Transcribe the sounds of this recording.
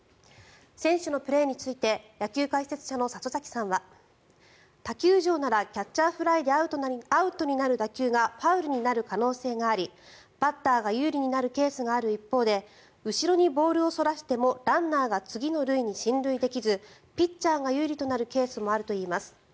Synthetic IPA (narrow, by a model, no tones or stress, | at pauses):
sẽ̞ɰ̃ɕɨno̞pɯ̟ɾe̞ːɲ̟it͡sɨit̪e̞jakʲɨːkaise̞t͡sɨ̥ɕano̞sat͡sozakʲi̥sãɰ̃βa | t̪akʲɨːʑo̞ːnaɾakʲat͡ɕːaːɸɯ̟ɾaid̪e̞aɯ̟aɯ̟t̪o̞ɲ̟inaɾɯ̟t̪akʲɨːɡapaɯ̟ɾɯ̟ɲ̟inaɾɯ̟kano̞ːse̞ːɡaːɾʲi | b̥at̪ːaːɡajɯ̟ːɾʲiɲ̟inaɾɯ̟ke̞ːsɨɡaːɾɯ̟ipːo̞ːd̪e̞ | ɯ̟ɕiɾo̞ɲ̟ibo̞ːɾɯ̟o̞so̞ɾaɕi̥t̪e̞mo̞ɾãnːaːɡat͡sɨɡʲino̞ɾɯ̟iɲ̟iɕĩnɾɯ̟id̪e̞kʲizɨpʲitt͡ɕaːɡajɯ̟ːɾʲit̪o̞naɾɯ̟ke̞ːsɨmo̞aɾɯ̟t̪o̞iːmasɨ̥